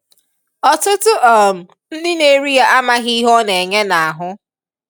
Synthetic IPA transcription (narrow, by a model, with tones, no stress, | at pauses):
ɔ˨tʊ˦tʊ˦ʔɔ˨m̩˨ | n̩˦dɪ˦ne˦ɾi˦ja˦ʔa˦ma˦ɣi˦ɦɔ˦ne˨ɲe˦na˨a˨ɦʊ˦